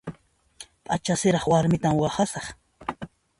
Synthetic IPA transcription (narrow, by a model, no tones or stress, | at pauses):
pʼat͡ʃasɪɾɑχwaɾmɪt̪amwɑχasɑχ